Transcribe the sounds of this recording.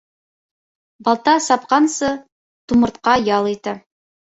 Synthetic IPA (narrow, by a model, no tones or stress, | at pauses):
bɑlˠt̪ɑsɑp̚qɑnsɤ | t̪umɤ̆ɾt̪̚qɑjɑlˠit̪ɘ